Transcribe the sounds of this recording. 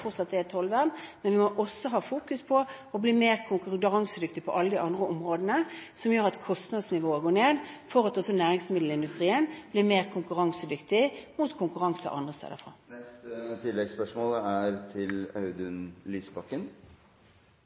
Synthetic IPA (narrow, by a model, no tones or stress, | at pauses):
fɔʁt̪sɑt̪d̪ɛɛt̪ʰɔlʋæʁnmɛnʋɪmɔʔɔsːɔɦɑːfuːkʉspʰɔ | ɔbliːmeːʁkʰʊŋkʉd̪ʁɑŋsəd̪ʏk̚t̪ɪpʰɔʔɑlːəd̪ɪʔɑnd̪ʁəɔmʁoːd̪ənəsɔmjøːʁɑt̪kʰɔst̪nɑd̪snɪʋoːəɡoːneːd̪fɔʁɑt̪ɔsːɔnæːʁɪŋsmɪd̪l̩ɪnd̪ʉst̪ʁiːənblɪːmeːʁkʰʊŋkʉʁɑŋsəd̪ʏkt̪ɪmuːt̪kʰʊŋkʉʁɑŋsə̰ʔɑ̰nd̪ʁəst̪ḛːd̪ə̰fʁɑ̰ːɛst̪ət̪ʰɪlːɛɡspœʂmoːləæɾt̪ʰɪlɑʉd̪ʉnlyːsbɑkːən